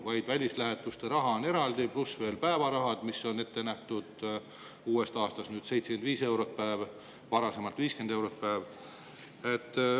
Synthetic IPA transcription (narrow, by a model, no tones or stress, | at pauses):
vɑjd̪̥vælʲislæɦe̞t̪ːˑust̪e̞ɾɑɦɑone̞ɾɑld̪̥iplusve̞ːlpæevɑɾɑɦɑd̪̥miso̞ne̞t̪ːe̞næht̪ud̪̥ | uːe̞st̪ɑːst̪ɑst̪nyːd̪̥se̞jt̪se̥kend̪viːse̞wɾo̞t̪̚pæev | vɑɾɑse̞mɑlt̪viːske̞nd̪̥e̞wɾot̪̚pæːv | et̪ːˑ